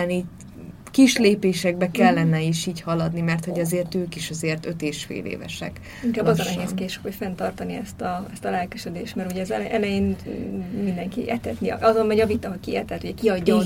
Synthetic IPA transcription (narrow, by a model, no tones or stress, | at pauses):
ɛniː | kiʃleːpeːʃɛɡ̚bɛkɛlːɛnɛiːʃiːchɒlɒd̪nimɛrt̪hoɟɛzeːrt̪øːkiʃɛzeːrt̪øt̪eːʃfḛːlḛːvɛ̰ʃɛ̰k | iŋkaːbbːɒzɒnɛɦeːskeːʃy̥khocfɛnt̪ɒrt̪ɒniɛ̰st̪ɒɛst̪ɒlɛlkyʃød̪eːʃt̪mɛɾuɟɛzɛlʔɛlɛjeːn | mind̪ɛŋkḭʔɛ̰t̪ɛt̪nḭɒzonmɛɟɒvit̪ɒɦɒkiɛ̰t̪ɛt̪uɟɛkiɒɟːɒ